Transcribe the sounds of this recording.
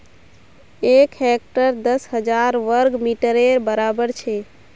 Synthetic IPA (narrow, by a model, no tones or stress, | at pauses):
ekɦek̚ʈəɾd̪əsɦəd͡ʒaɾʋəɾɡmiʈəɾeɾbəɾabəɾt͡ʃʰe